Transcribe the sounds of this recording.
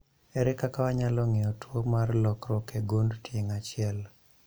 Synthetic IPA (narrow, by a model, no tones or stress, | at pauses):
ɛɾɛkakawaɲalɔŋɪɔtwomarlɔkɾɔkeɡondtʰjɪŋat͡ʃɪɛl